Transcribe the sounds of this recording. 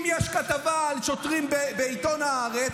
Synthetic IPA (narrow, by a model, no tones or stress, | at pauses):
mjɛʃkat̪avalʃot̪ʁimbebeit̪o̞naaʁe